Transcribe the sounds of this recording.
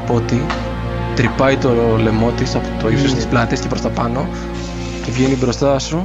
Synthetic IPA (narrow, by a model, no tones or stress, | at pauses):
pot̪i | t̪ɾipɐjt̪o̞le̞mo̞t̪isɐpot̪o̞isost̪isplɐt̪escepɾo̞st̪ɐpɐno̞ | cevʝe̞nibɾo̞st̪ɐsu